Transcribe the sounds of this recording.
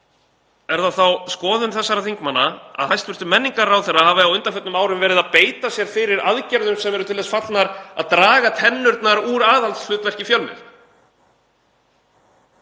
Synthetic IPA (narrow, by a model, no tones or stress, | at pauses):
ɛɾðaθawskɔːðʏnθɛsːaɾaθiŋkmanːaa̰ðhajst̪vʏr̥t̪ʏmːɛnːiŋkaɾawθɛrːahaːvɪawʏnt̪afœt̪nʏmaːwɾʏmvɛːɾɪðaðpeːjt̪asjɛɾ̥fɪɾɪɾaðcɛɾðʏmsɛmɛɾʏt̪ʰɪlvɛsfat̪lnaɾaðt̪ɾaːɣat̪ʰɛnːʏɾt̪naɾuɾaːðalt̪sflʏːt̪vɛr̥cɪfjœlmɪ̰θ